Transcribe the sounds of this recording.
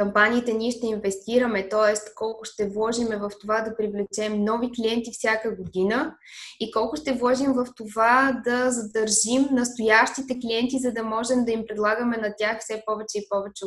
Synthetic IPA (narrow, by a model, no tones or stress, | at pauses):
kɐmpaniːt̪ɛnʲiɛʃt̪ɛinvɛst̪iɾəmɛt̪ɔɛst̪kɔlˠkʊʃt̪ɛvlˠɔʒimɛvɐft̪ovad̪ɐpɾivlɛt͡ʃɛmnɔvikliɛnt̪ifsʲjakəɡod̪inə | ikɔlˠkʊʃt̪ɛvlˠɔʒimvɐft̪ovad̪ɐzɐd̪ɐɾʒimnɐst̪ojaʃt̪it̪ɛkliɛnt̪izɐd̪ɐmɔʒɛmd̪ɐimpɾɛd̪lˠaɡəmɛnɐt̪ʲjaxfsɛpɔvɛt͡ʃɛipɔvɛt͡ʃɛ